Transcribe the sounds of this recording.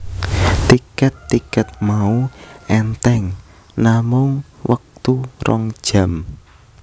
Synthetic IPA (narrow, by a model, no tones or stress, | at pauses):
t̪ikət̪ːikət̪̚mauʔɛnt̪ɛŋ | namʊŋwək̚t̪uɾɔ̰ŋd̥ʒ̥ä̤m